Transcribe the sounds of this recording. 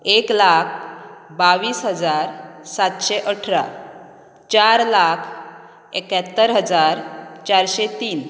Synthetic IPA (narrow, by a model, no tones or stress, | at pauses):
eklakʰbaʋiːsɦəd͡zaɾsat̪ɕeʔəʈʰɾa̰ | t͡ɕaɾlakʰ | ekjat̪ːəɾɦəd͡zaɾt͡ɕaɾɕet̪iːn